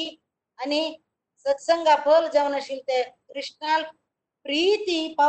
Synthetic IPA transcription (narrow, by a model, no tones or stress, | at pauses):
i | ani | sət̪səŋɡapʰəld͡zaʋnaɕilt̪ekɾiʂʈnal | pɾit̪ipa